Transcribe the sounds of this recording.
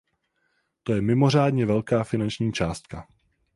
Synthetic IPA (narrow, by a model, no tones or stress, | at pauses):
t̪o̞jɛmɪmo̞r̝aːdɲɛvɛlkaːfɪnant͡ʃɲiːt͡ʃaːst̪ka